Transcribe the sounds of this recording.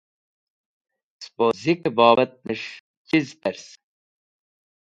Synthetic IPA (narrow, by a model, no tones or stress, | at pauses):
spozikbɑːbɐt̪̚nəʂ | cizpɛɾs